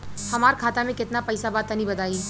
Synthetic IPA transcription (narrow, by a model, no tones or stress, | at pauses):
hɐmaːɾkʰaːt̪amẽkɪt̪napɛːsabaːt̪anĩbɐd̪aːiː